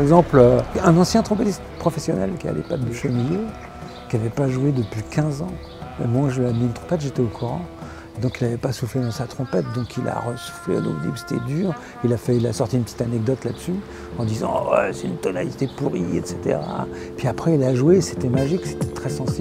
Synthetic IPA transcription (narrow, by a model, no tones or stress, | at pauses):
paʁɛɡzɑ̃pløɛ̃nɑ̃sjɛ̃t̪χɔ̃pet̪ist̪pχɔfɛsjɔnɛ̰lkʲia̰lɛ̰pad̪əʃmilje | kʲiavɛpaʒwed̪əpɥikʲʰɛ̃zɑ̃ | mɛ̰mwaʒəlɥamiːnt̪χɔ̃pɛt̪ʒet̪ɛokʰuʁɑ̰̃ | ed̪ɔ̃kilavɛpasuflɛd̪ɑ̃sat̪χɔ̃pɛt̪̚d̪ɔ̃kʰila̰ʁəsu̥flḛd̪o̰vd̪ḭpy̥se̥t̪ɛd̪yːʁ | ilafɛilasɔʁt̪iːnpət̪i̥t̪anɛk̚d̪ɔt̪lad̪əsy | ɑ̃d̪izɑ̰̃wɛ̰sɛt̪ynt̪ɔnalit̪epuʁḭɛ̰t̪set̪ḛʁa̰ | pɥiapχɛilaʒwese̥t̪ɛmaʒikse̥t̪ɛ̥t̪χɛsɑ̃sib